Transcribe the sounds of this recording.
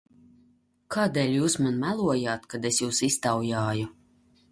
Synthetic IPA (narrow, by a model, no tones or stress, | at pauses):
kʰaːd̪eːlʲjuːsmanmælˠuɔjaːt̪kad̪esjuːsist̪awjaːju